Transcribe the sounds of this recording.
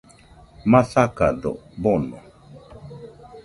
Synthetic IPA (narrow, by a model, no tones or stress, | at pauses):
masakadɔ̰bɔnɔ̰